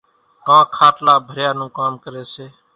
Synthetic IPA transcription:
kãːkʰaːʈlaːbʱəɾjaːnũːkaːmkəɾeːseː

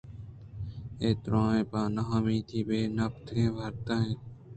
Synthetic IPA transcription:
eːt̪ɾãːẽːpãːnaɦãːmĩːt̪ʰiːbeːnəpt̪ʰẽːʋʱəɾt̪ãːɦẽː

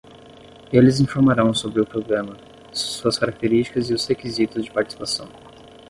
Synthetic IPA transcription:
elɪzĩfoɾmaɾɐ̃w̃sobɾɪʊpɾoɡɾɐ̃mɐ | suɐskaɾak̚t̪eɾist͡ʃi̥kɐzɪʊshekizit̪ʊzd͡ʒɪpaɾt͡ʃi̥si̥pasɐ̃w̃

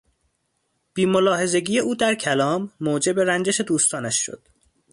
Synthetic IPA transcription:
b̥iːmo̞lɒːhe̞ze̞ɟiːjeuːd̪æɾcʰælɒːmːoːd͡ʒe̞be̞ɾænd͡ʒeʃe̞d̪uːst̪ɒːnæʃːo̰d̪̥

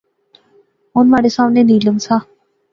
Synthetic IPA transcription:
ʊnmaːɽesãːmneːniːləmsaː

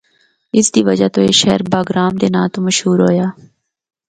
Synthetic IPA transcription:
ɪsd̪iːʋəd͡ʒaːt̪oːeːʃɛɦəɾbaːɡɾaːmd̪eːnãːt̪oːməʃɦuːɾɦoːjaː

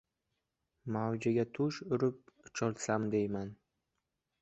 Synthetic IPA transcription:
mawd͡ʒaɡʲat̪ʰʊʃʊɾɪp̚t͡ʃʰɒlˠsamd̪ejman

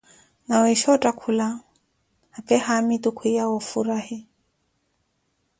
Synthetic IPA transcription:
nawɛʃɔtʼakʰula | hapʼɛhamit̪ʼʊkʰwijaɔfuɾahɪ

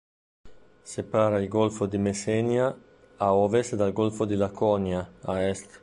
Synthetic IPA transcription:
sepaːɾailɡolfod̪imesɛnjaː | ɔːvest̪d̪alɡolfod̪ilakʰɔnjaaɛst̪

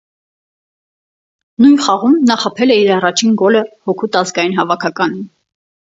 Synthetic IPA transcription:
nujnχɑʁumnɑχɑpʰɛlɛiɾɑrɑt͡ʃʰinɡɔləhɔkʰut̪ɑzɡɑjinɦɑvɑkʰɑkɑnin

